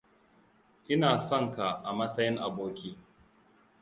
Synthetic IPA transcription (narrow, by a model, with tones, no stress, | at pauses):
ʔɪ˦naː˨sɔ˦˨ŋka˨ʔa˨mɐ˦sɐ˦jɪ˦ŋʔa˨boː˦kʲiː˦